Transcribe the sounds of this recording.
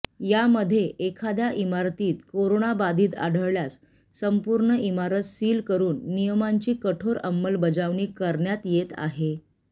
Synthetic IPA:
jaməd̪ʱːjeʔekʰad̪jaʔimaɾt̪iːt̪koɾoɳabad̪ʱiːt̪a̰ɽ̤ʱəɭɭjas | səmpuɾɳəimaɾət̪siːlkəɾuːnːijəmaɲt͡ɕiːkəʈʰoɾə̰mːəlbəd͡zaʋɳiːkəɾɳjat̪jet̪a̰ɦe

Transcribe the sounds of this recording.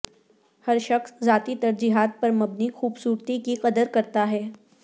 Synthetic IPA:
hɐɾʃɐxszaːt̪it̪ɐɾd͡ʒiːɦaːt̪̚pɐɾmɐbnixuːbsuːɾt̪ikiqɐd̪əɾkɐɾt̪aɦɛː

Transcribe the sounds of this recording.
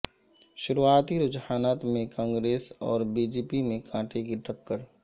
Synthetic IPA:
ʃʊɾuaːt̪iɾʊd͡ʒhaːnaːt̪mẽkãːŋɡɾeːsɔ̰ːɾbiːd͡ʒeːpimẽkʰãːʈʰekiʈəkːəɾ

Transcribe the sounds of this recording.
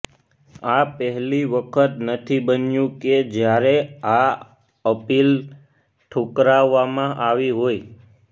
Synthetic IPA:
apəɦliʋəkʰət̪nət̪ʰibənjũked͡ʒjaɾea | əpil | ʈʰokɾaʋːamãʔaʋiɦoj

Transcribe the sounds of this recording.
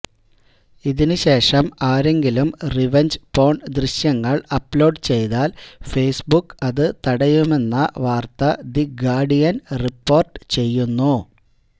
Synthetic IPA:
iðinɨɕe̞ːʂɐmaːɾe̞ŋɡilumriʋɐɲd͡ʑpo̞ːɳɖd̪riɕjɐŋːɐɭɐpːlo̞ːɖt͡ɕe̞jt̪aːlfe̞ːsbukːɐðɨt̪ɐɽɐjume̞nːɐʋaːrt̪ɐd̪iɡaːɖijɐnripːo̞ːrʈɨt͡ɕe̞jːunːu

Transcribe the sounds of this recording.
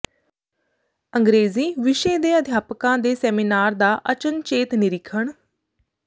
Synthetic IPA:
əŋɡɾeːziːʋɪʃeːd̪eːəd̪ʱjaːpəkãːd̪eːsɛːminaːɾd̪aːʔət͡ʃənt͡ʃeːt̪nɪɾɪkʰəɳ

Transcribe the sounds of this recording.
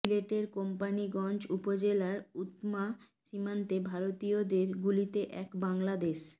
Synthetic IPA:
sileʈeɾkompaniɡɔnd͡ʑupod͡ʑelaɾut̪ma | ʃimant̪ebʱaɾot̪iod̪eɾɡulit̪eʔɛkbaŋlad̪eʃ

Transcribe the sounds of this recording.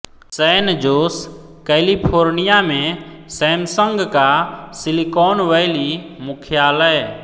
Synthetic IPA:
səːnd͡ʒoːs | kɛːlipʰoːɾnɪjamẽ | sɛːmsə̃ŋɡkasɪlikɔːnʋəɪlimʊkʰjaːləe

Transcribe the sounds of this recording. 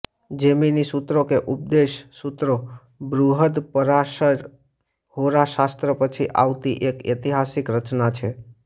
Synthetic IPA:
d͡ʒeminisut̪ɾokeʔup̚d̪eʃsut̪ɾo | bɾuɦəd̪pəɾaʃəɾ | hoɾaʃast̪ɾəpət͡ʃʰiʔa̰ʋt̪iʔeket̪iɦasikɾət͡ʃnat͡ʃʰe

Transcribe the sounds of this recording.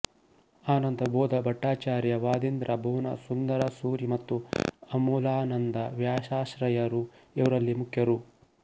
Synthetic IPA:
aːnɐnd̪ɐboːd̪ɐbʱɐʈːaːt͡ʃaːɾjɐʋaːd̪ind̪ɾʔɐbʱoːnɐ̰sund̪ɐɾɐsuːɾimɐt̪ːuɐmuːlaːnɐnd̪ɐʋjaːʃaːʃɾɐjɐɾuɛʋɐɾɐlːimukʰjɐɾu

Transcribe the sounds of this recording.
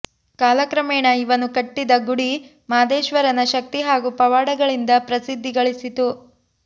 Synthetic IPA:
kaːlɐkɾɐmeːɳɐiʋɐnukɐʈːid̪ɐɡuɽi | maːd̪eːʃʋɐɾɐnɐʃɐk̚t̪iɦaːɡupɐʋaːɽɐɡɐɭind̪ɐpɾɐsid̪ʱːiɡɐɭisit̪u

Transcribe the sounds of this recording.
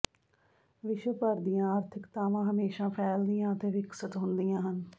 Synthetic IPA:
ʋɪʃʋəpəɾd̪ijãːaːɾt̪ʰɪkt̪aːʋãːɦəmeːʃãːpʰɛːld̪ijãːət̪eːʋɪksət̪ɦʊnd̪ijãːɦən

